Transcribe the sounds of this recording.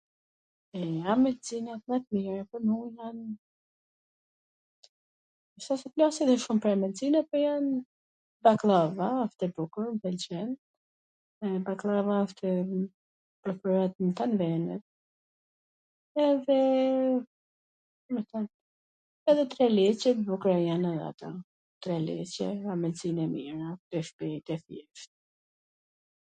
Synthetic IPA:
ɛamɛd̪t͡sinat̪mat̪miɾapɔnujan | əsasɛplasɛðɛʃumpəɾamɛd̪t͡sinapɔjan | baklˠavaːft̪ɛbukuɾmpɛlt͡ʃɛn | ɛbaklˠavaaft̪ʰɛ | pɾɔkuɾat̪̚mət̪anvɛnɛt̪̚ | ɛðɛ | mət̪an | ɛðɛt̪ɾɛlɛt͡ʃɛbukɾajanɛðɛa̰t̪ɔ | t̪ɾɛlɛ̰t͡ɕɛamɛd̪t͡sinɛmḭɾatɛfpɛt̪ɛθjɛʃt̪

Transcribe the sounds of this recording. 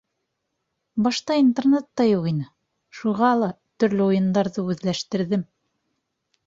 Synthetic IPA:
bɑʃt̪ɑint̪ernet̪ːɑjuqinɘ | ʃuʁɑlˠɑ | t̪ɵ̆ɾlɘujɤ̆nd̪ɑɾðɤʉðlæʃt̪ɘ̆ɾðɘm

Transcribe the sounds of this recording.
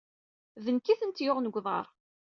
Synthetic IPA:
ðənkːiθənt̪joʁnəɡʷðˤɑ̰ɾˤ

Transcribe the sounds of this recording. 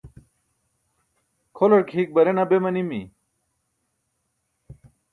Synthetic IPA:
kʰolɐɽkʰiːk̚bɐɾenɐbemɐnimi

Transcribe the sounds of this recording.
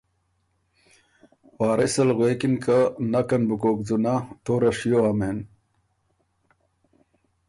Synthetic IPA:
waːɾesɐlɣweːkinkanɐkɐnbukoːkd͡zunat̪oɾɐʂjoɐmen

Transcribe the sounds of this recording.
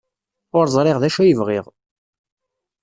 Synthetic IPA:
ʊɾzˤɾˤeʁðæʃæjəvʁɪʁ

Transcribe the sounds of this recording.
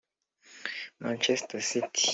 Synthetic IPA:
mãnt͡ʃɛstasitʰi̥

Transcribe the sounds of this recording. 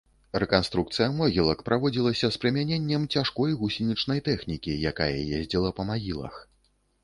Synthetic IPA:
rɛkanst̪ɾuk̚t̪sɨjɐmɔɣʲilˠɐkpɾavɔd͡zʲilˠɐsʲɐspɾɨmʲanʲenʲːɛmt͡sʲaʂkɔjɣusʲinʲit͡ʂnɐjt̪ɛxnʲikʲijakajɐ̰jezʲd͡zʲilˠɐpɐmaɣʲilˠɐ̰x

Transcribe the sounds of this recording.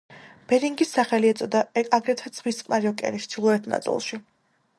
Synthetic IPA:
b̥ɛɾiŋɡisːaχɛliɛt̪sʼɔd̪aaɡɾɛt̪ʰad̪z̥ʁwist̪qʼmaɾiɔkʼɛ̰ɾiʃt̪ʰilˠɔɛt̪ʰna̰t̪ʼḭlˠʃi

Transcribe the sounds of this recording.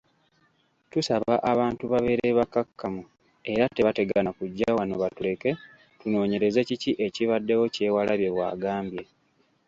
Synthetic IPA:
tusaβaʔaβaːntuβaβe̞ɾeβakakːamu | e̞ɾate̞βate̞ɡanakuɟːawano̞βatule̞ke̞ | tuno̞ːɲe̞ɾe̞ze̞ciciʔe̞ciβadːe̞wo̞ce̞ːwalaβje̞βwa̰ːɡaːmbje̞

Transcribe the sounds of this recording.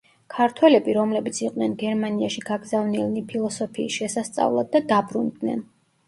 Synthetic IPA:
kʰaɾt̪ʰwɛlɛbiɾɔmlɛbit̪sʰiqʼnɛnɡɛɾmaniaʃiɡaɡzavnilnipʰilˠɔsɔpʰiːsʃɛsast̪sʼa̰vlˠad̪ːad̪abɾund̪nɛ̰n

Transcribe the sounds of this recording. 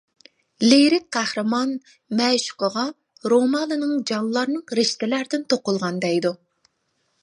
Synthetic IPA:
leɾɪk̚qʰæhɾɨmɑn | mɛʃqoʁɑ | ɾomɑnɨnɨŋd͡ʒɑnllˠːɑɾnɨŋɾɪʃt̪ɪlæɾd̪ɪnt̪ʰoqʊlˠʁɑnd̪ɛjd̪u

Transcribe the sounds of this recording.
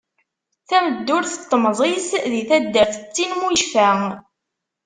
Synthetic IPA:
θæməd̪ːʊɾθə̥t̪ˤːəmzˤisðiθæd̪ːəɾθət͡sːinmujʃfæ

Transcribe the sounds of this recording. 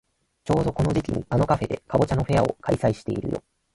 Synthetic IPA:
t͡ɕo̞ːd̪o̞ko̞no̞ʑikʲiɲ̟iano̞kaɸe̞d̪e̞kabo̞t͡ɕano̞ɸe̞ao̞̰kaisaiɕi̥t̪e̞ḭɾɯ̟̰jo̞̰

